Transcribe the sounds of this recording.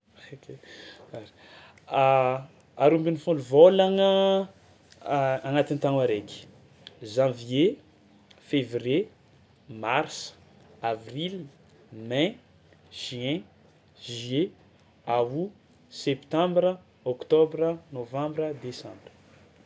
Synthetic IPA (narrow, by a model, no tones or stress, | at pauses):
okʰeaɾi̥ | aɾumbinifũluvolaŋə | aŋat̪int̪aŋaɾekʲi̥ | ʒãvje | fevrje | mars | avril | mɛ̃ | ʒ̥yɛ̃ | ʒɥe | awu | sɛpt̪ãmbrə | okt̪obɾənovãmbɾəd̪esãmbrə